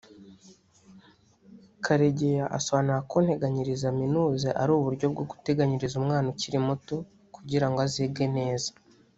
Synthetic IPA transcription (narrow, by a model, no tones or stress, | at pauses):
kʰaɾe̞ɟejaʔasoβaːnuɾakonhe̞ɡaɲiɾizaminuːzeʔaɾuːβuɾɟo̞b̚ɡo̞ɡu̥te̞ɡaɲiɾizumŋaːnociɾimuto | kuɟiɾaŋɡoaziːbɡe̞ne̞ːzḁ